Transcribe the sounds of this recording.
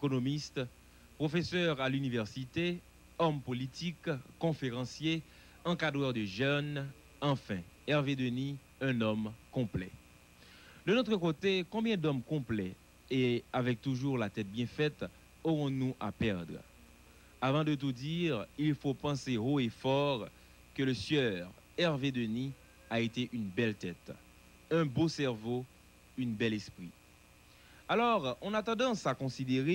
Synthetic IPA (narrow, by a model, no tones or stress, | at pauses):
ekonomist̪ | pχofesœʁalynivɛʁsit̪e | ɔmpolit̪ʰikkːɔ̃feʁɑ̃sje | ɑ̃kad̪ʁœʁd̪əʒœn | ɑ̃fɛ̃ɛʁved̪əni | ɛ̃nɔmkɔ̃plɛ̰ | d̪ənot̪χəkot̪ekɔ̃bjɛ̃d̪ɔmkɔ̃plɛ | eavɛk̚t̪uʒuʁlat̪ɛt̪̚bjɛ̃fɛt̪ | oʁɔ̃nuʔapɛʁd̪ʁə | avɑ̃d̪ət̪̬ud̪iʁilfopɑ̃seʁoefɔʁ | kələsjœʁ | ɛʁved̪əni | aet̪eʔynbɛlt̪ɛt̪ | ɛ̃bosɛʁvo | ynbɛlɛspχi | alɔʁɑ̃nat̪ɑ̃d̪ɑ̃sakɔ̃sid̪eʁe